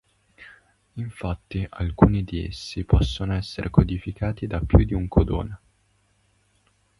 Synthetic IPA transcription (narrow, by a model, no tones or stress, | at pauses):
iɱfat̪ːiʔa̰lkuːnid̪iḛsːipɔsːonoɛsːeɾʔekod̪ifikʰaːt̪id̪apːjud̪iuŋkʰod̪o̰ːne